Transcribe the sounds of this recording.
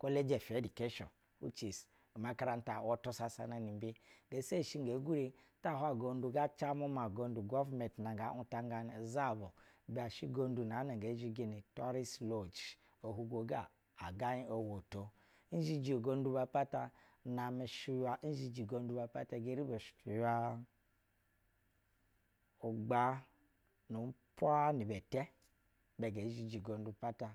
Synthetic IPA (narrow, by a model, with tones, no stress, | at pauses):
ko˦le˦d͡ʒe˨fdi˨ke˦ʃɔ̰˨n | hṵ˦t͡ʃi˨s | ma˨ka˦ɾa˦n̩˦ta˨wo˦to˦sa˦sa˨na˨ni˨˦bi˦ɡe˨˦se˦˨ʃi˦ŋɡe˨˦ɡu˦ɾi˨ta˦˨ɦa˨ɡo˨n˦du˨ɡa˦t͡ʃa˦mo˦ma˨ɡo˨n˦du˨ɡo˦vme˨n˨tna˨ɡa˨˦u˦ta˦ŋ˦ɡa˨n˨za˦˨bo˨ba˨ʃi˦ɡo˦n˦du˨n˨a˨˦na˨ŋ˨ɡe˨˦d͡ʒi˦ɡe˨ni˨to˦ɾi˦slo˨d͡ʒ | o˨ɦu˦ɡʷo˨ɡa˦˨ | a˨ɡa˦ɲi˦o˨wo˨to˨˦ | d͡ʒi˦d͡ʒi˨o˨ɡo˦n˦du˦ba˨pa˦ta˨ | na˨me˨ʃu˦ja˦n̩˦d͡ʒi˦d͡ʒi˨ɡo˦n˦u˦ba˨pa˦ta˨ɡe˦ɾi˦be˨ʃu̥˨tu˨ja˦ | u˨ɡ͡ba˦ | nu˨m̩˦po˦a˦ni˨bɛ˨tɛ˦ | bɛ˨ɡe˨˦ʒi˦d͡ʒi˨ɡo˨n˦du˨˦pa˦ta˨